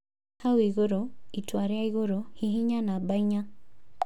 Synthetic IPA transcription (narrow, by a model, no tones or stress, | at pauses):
hawiɣoɾoitwaɾjaiɣoɾohiɦiɲanabaɪɲa